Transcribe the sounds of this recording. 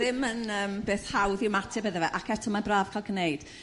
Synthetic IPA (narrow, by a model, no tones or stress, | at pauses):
ðɪmənəːmbeːθhawðɪwmatʰɪbəðɛvɛʔakʰɛtʰɔlˠmabraːv̥kʰaɪlˠɡnejd̥